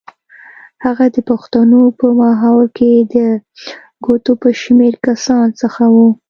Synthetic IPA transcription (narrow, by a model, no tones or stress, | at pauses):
haɣad̪əpaxt̪anopəmɑɦawɾked̪ə | ɡot̪opəʃmeɾkasɑnsəxawu